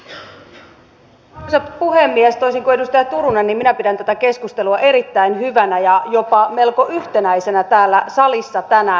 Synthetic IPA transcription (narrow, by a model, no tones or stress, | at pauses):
sepuɦe̞mːiest̪o̞jsiŋkoe̞dust̪ɑjɑt̪uɾunenːimminæpidænt̪æt̪æke̞skust̪e̞luɑʔe̞ɾit̪ːæinɦyʋænæjɑjo̞pɑme̞lko̞ʔyht̪e̞næjse̞næt̪æːlːæsɑlisːɑt̪ænæ